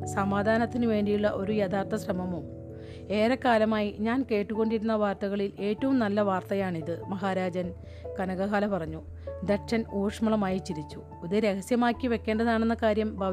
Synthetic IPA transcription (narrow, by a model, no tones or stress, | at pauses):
sɐmaːd̪ʱaːnɐt̪ːinɨʋe̞ːɳɖijuɭːɐʔo̞ɾujɐd̪aːt̪ːɐsrɐmɐmum | eːɾɐkːaːlɐmaːjiɲaːnke̞ːʈːuɣo̞ɳɖiɾunːɐʋaːrt̪ɐɣɐɭile̞ːtːɐʋumnɐlːɐʋaːrt̪ɐjaːɳiðɨmɐɦaːɾaːd͡ʑɐn | kɐnɐɣɐɦaːlɐpɐrɐɲːu | d̪ɐkʂɐnoːʂmɐɭɐmaːjit͡ɕiɾit͡ɕːu | uðɐɾe̞ɣɐsjɐmaːkːiʋe̞kʲːe̞ːɳɖɐðaːɳe̞nːɐkaːɾjɐmbʱɐʋ